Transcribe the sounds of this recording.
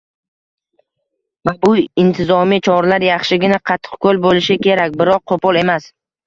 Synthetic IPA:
vabʊɪnt̪ʰɪzɒmit͡ʃʰɒɾlaɾjɑχʃɪɡʲɪnaqʰɑt̪ʰːɨ̥qkʰolbolɪʃɪkʲʰe̞ɾakʲbɪɾɒq̚ʰːopɒlˠe̞mas

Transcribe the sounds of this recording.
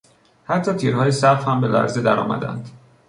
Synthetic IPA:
hæt̪ʰːɒːt̪ʰiːɾhɒːjesæfhæmbe̞læ̰ɾzed̪æɾɒ̰ːmæ̰d̪æ̰nd̪̥

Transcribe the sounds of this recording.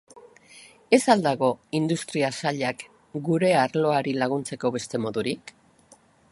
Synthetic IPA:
e̞sald̪aɣo̞ind̪ust̪ɾiasaʎak | ɡuɾe̞aɾlo̞aɾilaɣ̞unt͡se̞ko̞βe̞st̪e̞mo̞ðuɾik

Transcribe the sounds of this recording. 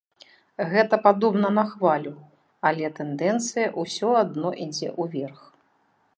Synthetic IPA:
ɣɛt̪ɐpad̪ɔbnɐnɐxvalʲu | alʲɛt̪ɛnd̪ɛnt̪sɨjɐʔusʲɔad̪nɔʔid͡zʲɛ̰ʔuvʲɛrx

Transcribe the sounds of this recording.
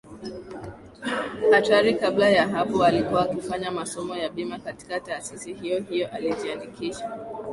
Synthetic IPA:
ataɾikablajaɦapɔalikuwaːkifaɲamasɔmɔjaɓimakati̥kataːsisiɦijɔɦijɔʔalid͡ʒiandikiʃa

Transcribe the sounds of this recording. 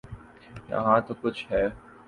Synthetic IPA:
jɐ̰ɦãt̪okʊt͡ʃʰɦɛː

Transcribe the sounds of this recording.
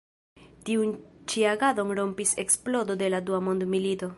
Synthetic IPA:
tiunt͡ʃiaɡado̞nɾo̞mpise̞ksplo̞do̞de̞laduamo̞ndmilito̞

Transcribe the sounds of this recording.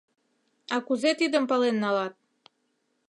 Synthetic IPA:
ɑkuzet̪id̪ə̆mpɑlenːɑlɑt̪̚

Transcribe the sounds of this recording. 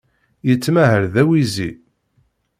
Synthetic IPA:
jət͡sːmæɦəɾðæwizi

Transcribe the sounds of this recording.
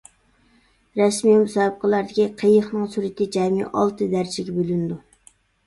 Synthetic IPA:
ɾɛsmimusɑːb̚əqʰəlˠɑɾd̪ɪkʲiqʰejəχnɨŋsuɾɪt̪ɪd͡ʒɛmḭʔɑ̰lˠt̪ɨd̪æɾt͡ʃʰɪɡʲɛbølynɪd̪u

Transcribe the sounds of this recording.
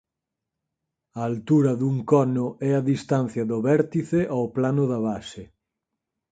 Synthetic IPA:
ɐːlt̪uɾɐðuŋkɔnʊɛaðist̪an̟θjɐðʊβɛɾt̪iθeʔawplanʊðɐβasɪ

